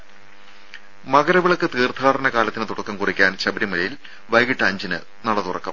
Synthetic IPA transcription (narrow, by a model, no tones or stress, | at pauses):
mɐɣɐɾɐʋɐɭɐkːɨt̪iːrt̪ʰaːɾɐnɐkaːlɐt̪ːinɨt̪uɽɐkːɐmkurikʲːaːnɕɐbɐɾimɐlɐjil | ʋɐjɡiʈːɐːɲd͡ʑinɨ̰ | nɐɽɐt̪urɐkːɐ̰m